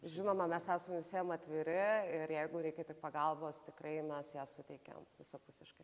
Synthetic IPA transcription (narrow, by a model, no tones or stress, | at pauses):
ʒʲɪnoːmɐmʲɛsæːsɐmʋʲɪsʲiɛmɐt̪ʲʋʲiːɾʲɪɪɾjɛɪɡʊɾʲɛɪkʲɛt̪ʲɪk̚pɐɡɐlˠboːst̪ʲɪkrɐɪmʲɛsjæːsʊt̪ʲɛɪkʲɛ̰mʋʲɪsɐpʊsʲɪʃkɐɪ